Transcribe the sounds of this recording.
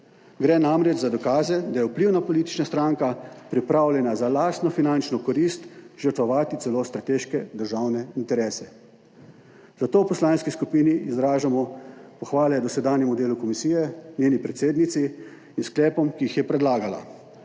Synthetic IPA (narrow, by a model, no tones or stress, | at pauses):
ɡɾɛnamɾɛd͡ʒzad̪ɔkaːzɛd̪ajɛupliːwnapɔliːt̪i̥t͡ʃnast̪ɾaŋkapɾipɾawljɛnazalaːst̪nɔfinant͡ʃnɔkɔɾist̪ʒəɾt̪ʋɔʋaːt̪it̪sɛlost̪ɾat̪eːʃkɛd̪əɾʒawnɛint̪ɛɾɛːsɛ | zat̪oːpɔslaːnskiskupiːniːzɾaːʒamɔpɔxʋaːlɛd̪ɔsɛd̪aːnjɛmud̪eːlukɔmisiːjɛnʲjeːnipɾɛt̪seːd̪nit̪si | insklɛːpɔmkiixjɛpɾɛd̪laːɡala̰